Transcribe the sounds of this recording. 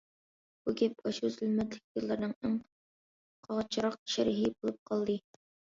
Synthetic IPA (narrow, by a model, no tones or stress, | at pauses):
b̥uɡʲɛp̚ɑʃuzylmɛt̪lɪk̚ʲjɨlˠːɨɾnɨŋeŋ | qʰɑʁt͡ʃʰɨɾɑq̚ʃɛɾɪɦibolˠup̚qʰɑlˠd̪ɨ